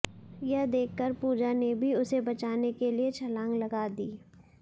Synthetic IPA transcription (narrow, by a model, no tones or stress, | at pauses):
jɐɦd̪eːkʰːəɾpuːd͡ʒanebʱiʊsebɐt͡ʃaːnekeliet͡ʃʰɐlãːŋɡlɐɡaːd̪iː